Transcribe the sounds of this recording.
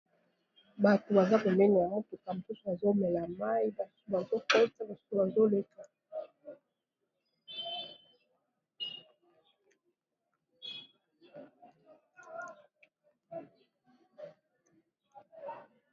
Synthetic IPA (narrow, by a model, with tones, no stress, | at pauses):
ba˨to˨ba˨za˦ko˨mɛ˦na˨a˨ŋo˦tu˨ka˨mo˨su˦so˨a˨zo˦mɛ˨la˨ma˦ji˦ba˨sba˨ɡo˦kɛ˦ta˦ba˨su̥˦o˦˨ba˨zo˦le˦ka˨